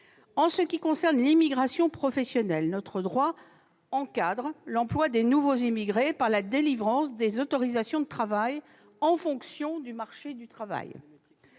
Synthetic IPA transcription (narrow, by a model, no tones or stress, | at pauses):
ɑ̃səkʲikɔ̃sɛʁnlimiɡʁasjɔ̃pχɔfɛsjɔnɛlnɔt̪χəd̪ʁwa | ɑ̃kad̪ʁlɑ̃plwad̪enuvozimiɡʁepaʁlad̪elivʁɑ̃sd̪ezɔt̪ɔʁizasjɔ̃d̪ət̪χavaj | ɑ̃fɔ̃ksjɔ̃d̪ymaʁʃed̪yt̪χava̰j